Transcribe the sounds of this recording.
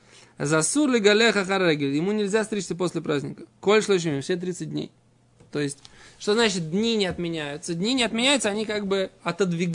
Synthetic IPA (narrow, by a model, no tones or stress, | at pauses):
a̰zɐsuɾlʲɪɡalʲexɐxaɾːeɡʲɪlʲjɪmunʲɪlʲzʲast̪ɾʲet͡ʃʲɪt̪səpo̞sʲlʲɪpɾazʲnʲɪkəkolʲʂlˠoʃ̬mʲifsʲet̪ɾʲit̪sɨt̚ʲdʲnʲḛj | t̪o̞jɪsʲtʲʂt̪oznat͡ɕɪt̪̚dʲnʲinʲɪɐt̪mʲɪnʲæjʊt̪səd̪ʲnʲinʲɪɐt̪mʲɪnʲæjʊt̪səɐnʲikaɡ̚bɨɐt̪əd̪vʲɪɡ